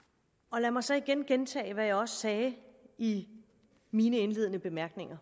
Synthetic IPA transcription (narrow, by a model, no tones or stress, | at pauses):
ɒ̽læmɑ̈ɪsɒ̽iɡ̥enɡ̥ent͡sʰɛ̰ːɪʋæjɑ̈ɪɒ̽sə̥sɛːi | miːnəe̝nle̝ð̞̰ˠənəb̥e̝mæɐɡ̥ne̝ŋɐ